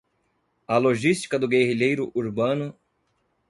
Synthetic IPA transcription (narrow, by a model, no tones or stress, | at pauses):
ɐloʒist͡ʃi̥kɐd̪ʊɡehiʎejɾʊʔuɾbɐ̃nʊ